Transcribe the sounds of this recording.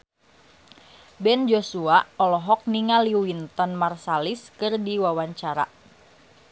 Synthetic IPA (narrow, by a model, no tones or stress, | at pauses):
bɛnd͡ʒosuaɔlɔɦɔk̚niŋaliwint̪ɔnmarsaliskɨrdiwawaɲt͡ʃaɾa̰